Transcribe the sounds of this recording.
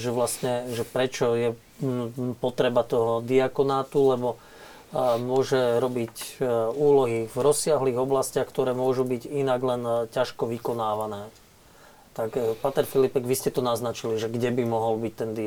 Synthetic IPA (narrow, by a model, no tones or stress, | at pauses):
ʒɛʋlascɲɛʒɛpɾɛt͡ʃɔjɛ | pɔt̪ɾɛbat̪ɔɦɔd̪iakɔnaːt̪ulɛbɔ | mʊɔʒɛɾɔbicuːlɔɦivɾɔsːɪaɦliːɣɔblascɪaxkt̪ɔɾɛːmʊɔʒubiɟinaɡlɛncaʃkɔʋikɔnaːʋanɛː | t̪akpaːt̪ɛɾfilipɛɡʋiscɛt̪ɔnaznat͡ʃiliʒɛɡɟɛbimɔɦɔlbic̚t̪ɛnd̪i